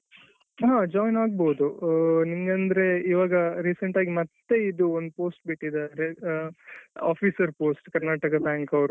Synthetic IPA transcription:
ɦãːd͡ʒaːjnaːɡ̚boːud̪uniŋɡɐnd̪ɐɾe̞iːʋaːɡɐɾiːsɐɳʈaːɡimɐt̪ːe̞id̪uond̪upoːsʈ̚biʈːid̪aːɾe | a̰ːfʰiːsɐɾpoːsʈkɐɾnaːʈɐkɐbjaːŋkɐʋɾu

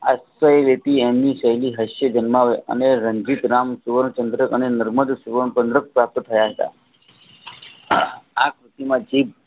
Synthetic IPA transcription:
asʋəjelet̪iemniʃəɦjliɦəʃjəd͡ʒənmaʋeʔə̰neɾəɲd͡ʒit̪ɾamsuʋəɾɳt͡ʃə̃nd̪ɾəkənenəɾməd̪suʋəɾɳpənd̪ɾək̚pɾap̚t̪t̪ʰəjaɦət̪a̰ | akɾɪt̪imãd͡ʒib

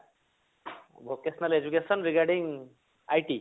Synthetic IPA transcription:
bʱokesnɐled͡ʒukesɔnɾiɡaɾɖiŋ | ajʈi

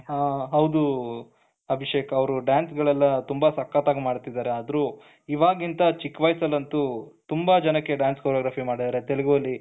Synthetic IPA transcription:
aɦɐwd̪u | ɐbʱiʂeːkɐɐʋɐɾuɖjaːnsɡɐɭɛlːɐt̪umbɐsɐkːaːt̪aːɡmaːɽt̪id̪aːɾeaːd̪ɐɾu | iʋaːɡint̪ɐt͡ʃikːʋɐjsɐlɐnt̪ut̪umbɐd͡ʒɐnɐkːe̞ɖaːnskʰoɾjoɡɾaːpʰimaːɽid̪aːɾe̞t̪eluɡuɐlːi

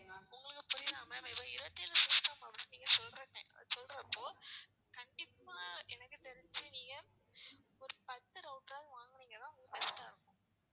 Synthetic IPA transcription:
ʊŋɡɐɭɯkːɯpʊɾɪðaːmɐmɪpːɐɪɾɯɐt̪ːɪjɛlɐsʊtːaːmɐpːɐɽɪnniːŋɡɐsɔlɾɐ̰̃sɔlɾɐpːoː | kɐɳɖɪpːaːʔɛnɐkːɯt̪ɛɾɪɲd͡ʒɯniːŋɡɐ | ɔɾɯpɐt̪ːɯɾɐʊʈɾaːɣʋaːŋɡɐniːŋɡɐt̪ãːʊŋɡɯt̪ɛɾɪd͡ʒaːɾɯŋ

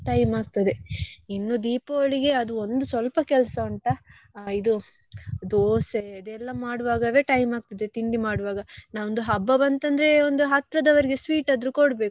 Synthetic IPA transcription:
ʈɐjmaːɡ̚t̪ɐd̪einːud̪iːpoːɭiɡe̞ɐd̪uond̪usʋɐlpɐkɛlsɐɐɳʈɐ | id̪u | d̪ooːseɐd̪ɛlːɐmaːɽuʋaːɡɐʋe̞ːʈɐjmaːɡ̚t̪ɐd̪e̞t̪iɳɖimaːɽuʋaːɡɐnaːond̪uɦɐbːɐbɐnt̪ɐnd̪ɐɾe̞ond̪uɦɐt̪ɾɐd̪ɐʋɐɾiɡesʋiːʈɐd̪ɾukoɽbe̞ːku

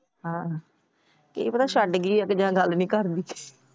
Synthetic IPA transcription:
ɦãː | kḛiːpət̪aːʃəɖɡiːəkd͡ʒãːɡəlnĩːkəɾd̪iː

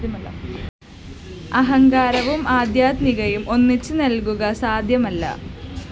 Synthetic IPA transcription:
ɐɦɐŋɡaːɾɐʋumaːd̪jaːd̪miɣɐjumʔo̞nːit͡ɕːɨnɐlkuɣɐsaːd̪ʱjɐmɐlːɐ̰

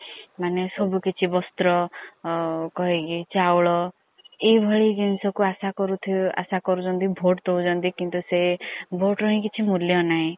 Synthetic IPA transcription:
manesɔbukit͡ʃʰibɔst̪ɾɔ | kɔɦekit͡ʃawɭɔ | ibʱɔɭiɡinsɔkuasakɔɾut̪ʰia̰sakɔɾud͡ʒɔnt̪ibʱoʈt̪owd͡ʒɔnt̪ikint̪usebʱoʈɾɔɦĩkit͡ʃʰimuljɔnaĩ

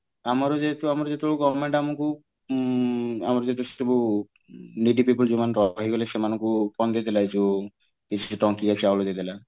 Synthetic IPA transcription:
amɔɾɔd͡ʒet̪uamɔɾɔd͡ʒet̪ebɭuɡɔbmeɳʈamɔŋku | amɔɾɔd͡ʒet̪ese̥t̪ebu | niɖipipɔld͡ʒumanɾɔɦiɡɔlesemanɔŋkupɔnd̪ed̪elait͡ʃu | it͡ʃʰiuʈɔŋkiat͡ʃʰiawlɔd̪ed̪ela

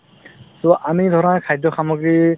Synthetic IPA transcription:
toʔamid̪ʱɔɾɔnakʰajdɔxamɔɡɾi

